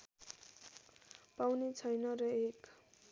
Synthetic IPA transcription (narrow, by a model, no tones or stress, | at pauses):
pawnet͡sʰʌjnʌrʌek